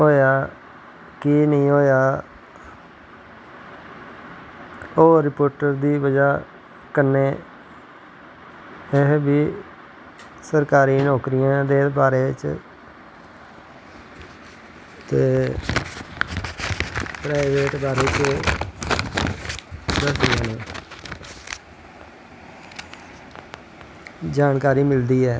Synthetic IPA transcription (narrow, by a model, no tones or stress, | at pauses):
ɦoːjaː | kinəĩːɦoːjaː | oːɾɪpoːɾʈəɾd̪iːbəd͡ʒaː | kənːeː | ɪɦbiː | səɾkaːɾiːnɔːkɾɪjãːd̪eːbaːɾeːt͡ʃ | t̪eː | pɾaːɪʋeːʈbaːɾiːt͡ʃe | dəsd̪ɪjãːneː | d͡ʒaːnkaːɾiːmɪld̪iːɦɛː